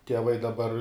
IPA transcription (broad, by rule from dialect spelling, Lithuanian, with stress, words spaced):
tʲiɛˈʋɐɪ dɐˈbɐr